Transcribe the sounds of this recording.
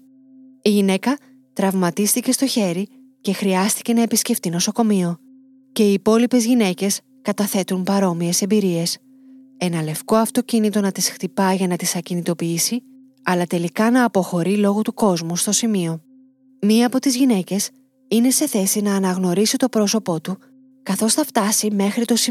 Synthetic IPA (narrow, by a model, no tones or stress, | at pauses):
iʝine̞kɐ | t̪ɾɐvmɐt̪ist̪ice̞st̪o̞çe̞ɾi | ce̞xɾiɐst̪i̥ce̞nɐe̞pisce̞ft̪ino̞so̞ko̞mio̞ | ce̞iːpo̞lipe̞zʝine̞ce̞s | kɐt̪ɐθe̞t̪umpɐɾo̞mie̞se̞mbiɾie̞s | e̞nɐle̞fko̞ɐft̪o̞cinit̪o̞nɐt̪isxt̪ipɐʝɐnɐt̪isɐcinit̪o̞piisi | ɐlɐt̪e̞likɐnɐːpo̞xo̞ɾilo̞ɣot̪uko̞zmust̪o̞simio̞ | miɐːpo̞t̪izʝine̞ce̞s | ine̞se̞θe̞sinɐːnɐɣno̞ɾisit̪o̞pɾo̞so̞po̞t̪u | kɐθo̞sθɐft̪ɐsime̞xɾit̪o̞si